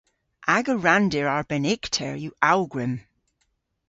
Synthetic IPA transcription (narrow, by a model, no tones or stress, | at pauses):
ʔaɡəɹandɪɹaɹb̥ɛnɪktʰɛɹjuawɡɹɪm